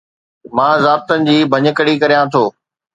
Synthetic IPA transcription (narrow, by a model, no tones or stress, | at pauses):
mãːzaːb̚t̪ənɪ̆d͡ʑiːbʱɐɲə̆kəɽikɐɾijãt̪ʰoː